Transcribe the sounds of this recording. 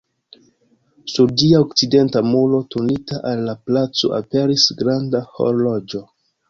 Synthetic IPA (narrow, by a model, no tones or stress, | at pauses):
suɾdiaokt͡side̞ntamulo̞tunitaʔalːaplat͡so̞̰ʔa̰pe̞ɾisɡɾandaho̞̰ɾlod͡ʒo̞